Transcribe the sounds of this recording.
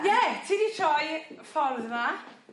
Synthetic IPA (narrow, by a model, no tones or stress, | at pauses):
jɛtʰinitʰɔjfɔlðəma